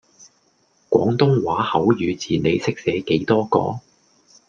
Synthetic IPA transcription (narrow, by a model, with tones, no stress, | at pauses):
kʷɔː˨˥ŋt̪ʊ˥ŋwaː˨˥hɐ˨˥wjyː˨˧t͡siː˨ne˨˧jsɪ˥k̚sɛː˨˥ke˨˥jt̪ɔː˥kɔ̰ː˧